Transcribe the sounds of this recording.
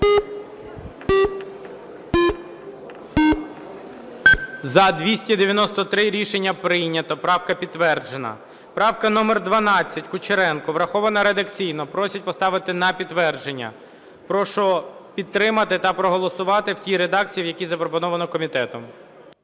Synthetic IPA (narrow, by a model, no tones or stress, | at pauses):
zɐd̪ʲʋʲisʲtʲid̪eʋʲjɐnɔst̪ɔt̪ɾɪɾʲiʃenʲːɐpɾɪjnʲɐt̪ɔpɾɑwkɐpʲid̪ːʋɛrd͡ʒenɐ̰ | pɾɑwkɐnɔmerd̪ʋɐnɑt͡sʲːɐtʲkʊt͡ʃeɾɛnkʊʋɾɐxɔʋɐnɐɾed̪ɐkt͡sʲijnɔpɾɔsʲɐt̚ʲpɔst̪ɑʋɪt̪ɪnɐpʲit̪ːʋɛrd͡ʒe̞nʲːɐ̰ | pɾɔʃɔpʲit̪t̪ːɾɪmɐt̪ɪt̪ɐpɾɔɦɔlˠɔsʊʋɑt̪ɪwtʲiɾed̪ɑkt͡sʲijiwjɐkʲizɐpɾɔpɔnɔʋɐnɔkɔmʲit̪ɛt̪ɔm